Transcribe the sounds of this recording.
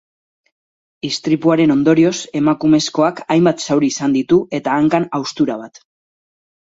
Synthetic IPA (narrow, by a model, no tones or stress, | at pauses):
ist̪ɾipuaɾe̞no̞nd̪o̞ɾio̞se̞makume̞sko̞akajmbat̪sawɾiːsand̪it̪ue̞t̪aːŋkanawst̪uɾaβ̞at̪